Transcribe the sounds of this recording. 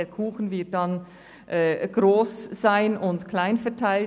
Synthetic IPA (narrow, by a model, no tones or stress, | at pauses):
eːkʰuːxn̩vɪɐt̚dɑn | ʔɛːɡ̥ʁoːsz̥aɪnʔʊntkʰlaɪnfɛɐtʰaɪl